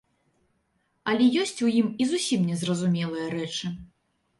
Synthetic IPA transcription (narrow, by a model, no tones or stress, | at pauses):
ɐlʲɛjɔsʲt͡sʲujimizusʲimnʲɛzrɐzumʲɛlˠɨjɐɾɛt͡ʂɨ